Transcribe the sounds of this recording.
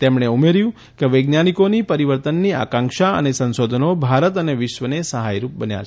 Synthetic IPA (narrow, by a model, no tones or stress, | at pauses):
t̪emɽeumeɾjũ | keʋəɡnjanikoniːpəɾiʋəɾt̪ənːia̰kãŋkʃaə̰nesə̃nʃod̪ʱənobʱaɾət̪əneʋɪʃʋənesəɦajɾup̚bənja̰